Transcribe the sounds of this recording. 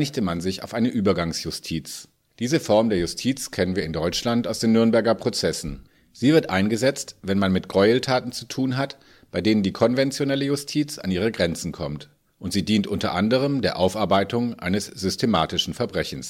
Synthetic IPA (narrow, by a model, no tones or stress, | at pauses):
nɪçtəmanzɪça̰ʊfʔaɪnəʔyːbɐɡaŋsjʊstʰiːt͡s | d̥iːzəfɔɐmdeːɐjʊstʰiːt͡skʰɛnənviːɐɪndɔʏt͡ʃlantaʊsd̥eːnːʏɐnbɛɐɡɐpʁ̥ot͡sɛsn̩ | z̥iːvɪɐtʔaɪnɡəzɛt͡stvɛnmanmɪtɡ̥ʁɔʏəltʰaːtn̩t͡su̥tʰuːnɦat | b̥aɪdeːnəndiːkʰɔnvɛnt͡sjonɛləjʊstʰiːt͡sa̰nʔiːʁ̞əɡʁɛnt͡sn̩kʰɔmt | ʔʊntz̥iːdiːntʔʊntɐ̰ʔandəʁ̞əmdeːɐʔaʊfaɐbaɪtʊŋʔa̰ɪnəsz̥ʏstʰema̰ːtɪʃn̩fɛɐbʁɛçn̩s